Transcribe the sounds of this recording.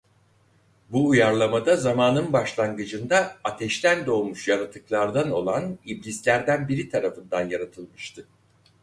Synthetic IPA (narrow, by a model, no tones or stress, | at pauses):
buːjaɾlˠamad̪azamaːnɯnbaʃlˠaŋɡɯd͡ʒɯnd̪aːt̪ʰɛʃt̪ʰænd̪o̞ːmuʃjanat̪ʰːɯklˠaɾd̪ano̞lˠaniblʲislʲæɾd̪ænbiɾit̪ʰaɾafɯnd̪anjaɾat̪ʰɯlˠmɯʃt̪ʰɯ